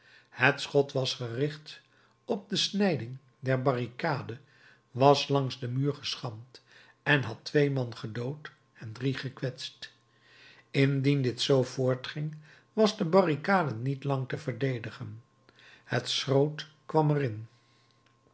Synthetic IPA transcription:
hətsχɔtʋɑsχərɪχt | ɔb̚dəsnɛjdɪŋ | dɛɹbɑrikaːdə | ʋɑslɑŋzdəmyːɹχəsχɑmt | ɛnɦɑtʋejmɑnχədowt | ɛndriχəkʋɛtst | ɪndindɪtsowvʊːɹtχɪŋ | ʋɑzdəbɑrikaːdənitlɑŋtəvəɹdejdəχən | hətsrowt | kʋɑmərɪn

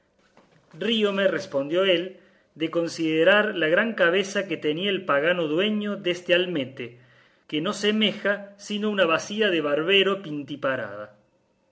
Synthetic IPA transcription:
riomerespo̞nd̪jo̞el | d̪eko̞nsiðeɾaɾlaɣɾaŋkaβ̞esaket̪eniaelpaɣano̞ðwe̞ɲo̞ðest̪ealmet̪e | keno̞semexasinounaβasiaðeβaɾβeɾo̞pint̪ipaɾa̰ða̰

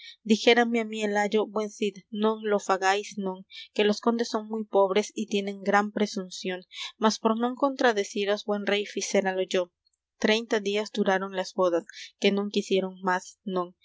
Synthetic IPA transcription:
d̪ixe̞ɾameamielaʝo̞bwe̞nsid̪nõ̞ŋlo̞faɣajsno̞ŋke̞lo̞sko̞nd̪e̞sːo̞ŋmujpo̞βɾe̞sit̪je̞ne̞ŋɡɾampɾesunsjo̞ŋmaspo̞ɾno̞ŋko̞nt̪ɾaðe̞siɾozbwe̞nre̞jfise̞ɾalo̞ʝo̞ | t̪ɾe̞jnt̪aðiazd̪uɾaɾo̞nlazβo̞ðaske̞noŋkisje̞ɾo̞ŋmasnõŋ

